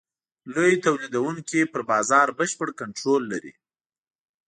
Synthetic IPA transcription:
lojet̪awlid̪awuŋkipəɾbɑzɑɾbəʃpəɽkaɳʈɾolːa̰ɾḭ

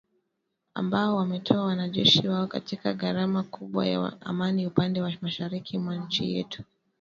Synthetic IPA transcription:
a̰mbaɔwamɛtʰɔawanaʄɛʃiwaɔkatikaɠaɾamakuɓwa̰ja̰a̰maniupandɛwamaʃaɾikimwaɲ̩t͡ʃḭjɛ̰tu̥

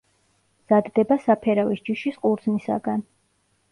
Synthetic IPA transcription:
mz̥ad̪ːɛbasapʰɛɾavisd͡ʒiʃisqʼuɾd̪znisa̰ɡan

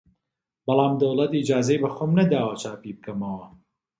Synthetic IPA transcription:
bɐlaːmd̪ɐwlɐt̪iːd͡ʒaːzɐjbɐxoːmnɐd̪aːwɐt͡ʃaːpiːb̚kɐmɐwɐ

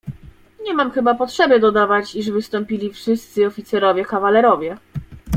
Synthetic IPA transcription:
ɲɛmamxɘbapɔtʂɛbʲjɛd̪ɔd̪avat͡ɕiʐvɘst̪ɔmpʲilʲifʂɘst̪sɘɔfʲit̪sɛɾɔvʲjɛkavalɛɾɔvʲjɛ

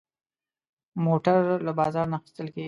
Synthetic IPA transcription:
moʈaɾlabɑzɑɾnaxɪ̥st̪əlke

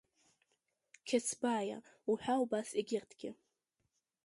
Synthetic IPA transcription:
kʲʰasbaːja̰uħʷᶣaubasiɡʲɪrtʰɡʲɪ

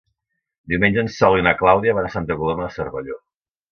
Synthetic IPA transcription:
d̪iuwmenʲd͡ʒənsɔlinəklawðiəβaðəsant̪əkuloməðəsəɾβəʎo

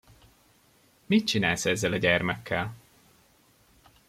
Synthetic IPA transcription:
mit̪̚t͡ʃinaːlsɛzːɛlɒɟɛrmɛkʰːɛl

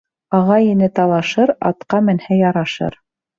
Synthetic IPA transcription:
ɑʁɑjinɘt̪ɑlˠɑʃɤɾɑ̰t̪qɑmɘ̆nhæjɑɾɑʃɤ̰ɾ

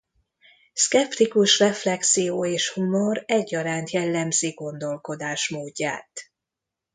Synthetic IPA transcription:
skɛpt̪ikuʃrɛflɛksijoːeːʃhumo̞ɾɛɟːɒɾaːnt̪jɛlːɛmzeːɡo̞nd̪o̞lko̞d̪aːʃmoːɟːa̰ːt̪

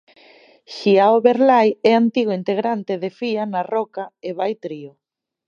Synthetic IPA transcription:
ʃiaoβeɾlajɛant̪iɣʊint̪eɣɾant̪eðefianarɔkaeβajt̪ɾio

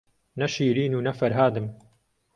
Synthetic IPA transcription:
nɐʃiːɾiːnuːnɐfɐɾɦaːd̪ɨm

